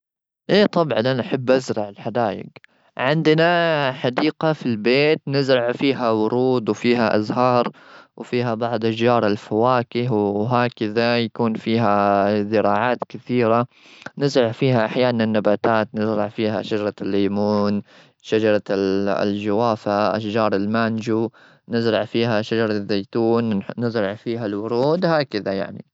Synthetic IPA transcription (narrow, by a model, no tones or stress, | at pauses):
ʔeːt̪ˤɑbʕɑnʔanaʔħabːʔazɾˤɑʕɪlħad̪aːjɪ̰ɡ | ʕɪnd̪naħad̪iːqafilbeːt̪nɪzɾɑʕfiːɦawʊɾˤuːd̪wfiːɦaʔa̰zɦɑːɾˤwfiːɦabɑʕd̪ˤʔaʃd͡ʒɑːɾˤɪlfawaːkɪɦwwɦaːkɪðajakuːnfiːɦazɪɾɑːʕaːt̪kɪθiːɾa | nɪzɾɑʕfiːɦaʔaħjaːnanɪnːabaːt̪aːt̪nɪzɾɑʕfiːɦa̰ʃad͡ʒɑɾˤɑlːiːmuːn | ʃad͡ʒɑɾˤɑ̰ld͡ʒawaːfaʔa̰ʃd͡ʒɑːɾˤɪlmand͡ʒu | nɪzɾˤɑʕfiːɦaʃad͡ʒɑɾˤɑðːejt̪uːnːɪzɾˤɑʕfiːɦalwʊɾuːd̪haːkɪðaja̰ʕnḭ